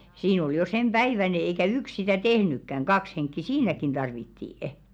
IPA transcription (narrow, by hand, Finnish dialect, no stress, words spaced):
siːn ol jo semb̥æiʋæne eikæ yks̆ sitæ tehnykːæŋ kɑks henkːi siːnækin d̥ɑrʋitːiːə̆